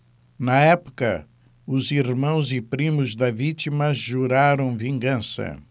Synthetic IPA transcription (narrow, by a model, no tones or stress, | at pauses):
nɐɛpʊ̥kɐ̰ | ʊziɾmɐ̃w̃zɪpɾĩmʊzd̪ɐvit̪imɐʒuɾaɾɐ̃w̃vĩŋɡɐ̃sɐ̰